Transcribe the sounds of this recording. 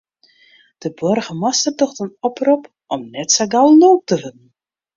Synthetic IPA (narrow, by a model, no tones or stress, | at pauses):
d̥əbɔrɣəmɔstərtɔxtənɔprɔp | ʔɔmnɛtsaɡawloːp̚təvənn̩